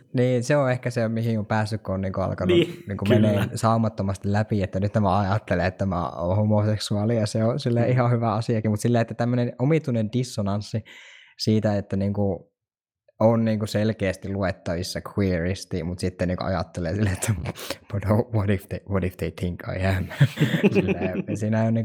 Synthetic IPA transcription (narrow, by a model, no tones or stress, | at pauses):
niːnseõehkæsemihiŋompæːsːykkuonniːŋkuɑ̰lkɑnuniːŋkumeneːsɑumɑt̪ːomɑst̪ilæpiet̪ːænyt̪næmæɑjɑt̪ːeleːt̪t̪æmæ̰o̰homoseksuɑlijɑseosilːeihɑhyʋæɑsiɑkimut̪silːeːet̪ːæt̪æmːønenomit̪unendisːonɑnsːisiːt̪æet̪ːæniːŋku | onniːŋkuselkeːst̪iluet̪ːɑʋisːɑkʰwiːrist̪imut̪sit̪ːeniːŋkṵʔɑ̰jɑ̰t̪ːeleːsilːet̪ʰːæponoʋodift̪eʋodift̪et̪ʰiŋkɑ̰jæmæsilːesiːnæoniːŋ